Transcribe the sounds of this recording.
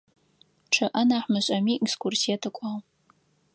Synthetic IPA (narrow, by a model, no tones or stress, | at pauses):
ʈ͡ʂʰɐʔɐnaːħmɨɕʷʼɐmiʔɡskʷʰʊrsiɐtʰɐkʷʼaw